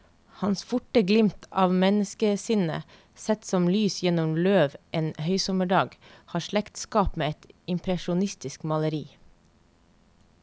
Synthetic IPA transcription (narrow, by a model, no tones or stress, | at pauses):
hɑnsfʊʈəɡlɪmt̪ʰɑːʋmɛnəskəsɪnə̰ | sɛt̪sɔmlyːsjɛnʊmløːʋʔeːnhœʏsɔməɖɑːɡhɑːʃlɛkt̪skɑːpmeːɛt̪ɪmpʰɾɛʃʊnɪst̪ɪskmɑləɾiː